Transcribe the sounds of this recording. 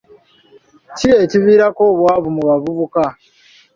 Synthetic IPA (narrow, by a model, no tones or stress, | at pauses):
cie̞ciβiːɾakoːβwaːβumuβavuβuka